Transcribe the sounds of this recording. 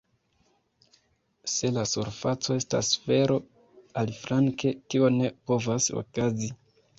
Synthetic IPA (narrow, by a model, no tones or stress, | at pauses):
se̞lasuɾfat͡so̞e̞sta̰sve̞ɾo̞ | alifɾaŋke̞kio̞ne̞po̞vaso̰kazi